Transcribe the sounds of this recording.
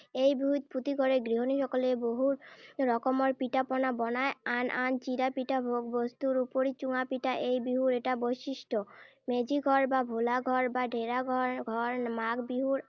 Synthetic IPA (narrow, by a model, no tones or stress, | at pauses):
ejbiɦut̪̚pʰut̪iɡʱɔɾeɡɾiɦoniʃɔkoleboɦuɾɾɔkomoɾpiʈapɔnabɔnaeanʔant͡ɕiɾapiʈabʱoɡbost̪uɾupoɾit͡ɕuŋapiʈaʔejbiɦuɾeʈabojʃiʃʈo | med͡ʑiɡʱɔɾbabʱulaɡʱɔɾbaɖʱeɾaɡʱɔɡʱɔɾmaɡbiɦuɾ